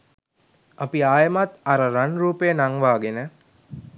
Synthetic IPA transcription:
apiaːjəmat̪aɾəɾanruːpəjənaŋʋaːɡenə

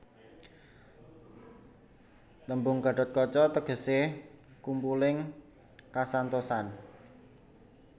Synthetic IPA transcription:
t̪əmbʊŋɡa̤ɖ̥ɔ̤t̪̚kɔt͡ʃɔt̪əɡ̥ə̤sekumpulɪŋ | kasant̪osan

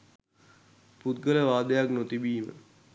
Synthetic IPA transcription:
put̪̚ɡələʋaːd̪əjaknot̪ibiːmə̰

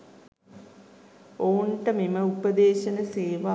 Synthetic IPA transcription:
oːɳʈəmiməupəd̪eːʃɐnəseːʋa

